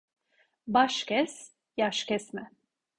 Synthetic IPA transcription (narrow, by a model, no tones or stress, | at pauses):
baʃcʰɛs | jaʃcɛsmɛ